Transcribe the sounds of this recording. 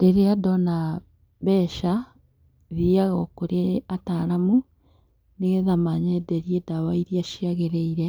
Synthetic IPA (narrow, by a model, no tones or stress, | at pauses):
d̥eɾeadɔna | βɛʃa | ðiaɣɔkoɾeataɾamu | neɣɛðamaɲɛdɛɾiedawaiɾiaʃiaɣeɾeiɾɛ